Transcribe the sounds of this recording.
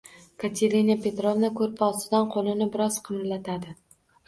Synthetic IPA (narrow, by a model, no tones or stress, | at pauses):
kʰat̪ʰeɾʲinapʰe̞t̪ɾovnakʰɵɾɪpɒsɪd̪anqʰolˠɪnɪbɪɾɒz̥qʰɨmɾlat̪ʰad̪ɪ